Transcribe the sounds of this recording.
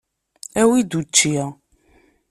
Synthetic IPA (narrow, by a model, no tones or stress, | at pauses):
æwid̪ut͡ʃːiʁ